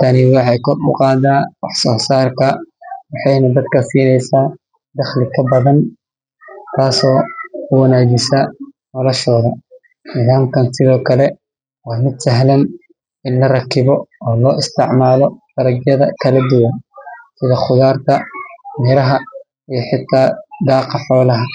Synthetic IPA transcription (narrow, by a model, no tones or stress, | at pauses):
t̪ʰɐnɪwɑħɑjkʰɔrʊ̰qɑːd̪aːwɑħsɔːsaːrkʰɐwɑħɑjnɐd̪ɐd̪kʰɐsiːnɛjsaː | d̪ɐχlɪkʰɐbɐðɐn | t̪ʰaːsɔːʊwɐnaːd͡ʒɪsɐ | nɔlɔʃɔːðɐ | nɪðaːmkʰɐnsɪðɔːkʰɐlɛ | wɑːmɪd̪sɐɦlɐn | ɪnlɐrɐkʰɪβɔɔːlɔːʔɪst̪ʰɪʕmaːlɔfɐɾɐɡjɐðɐkʰɐlɐd̪ʊwɐnsɪðɐχʊðaːrt̪ʰɐmɛɾɐɦɐ | ijɞħɪt̪ʰːaːd̪ɑːqɑħɔːlɐɦɐ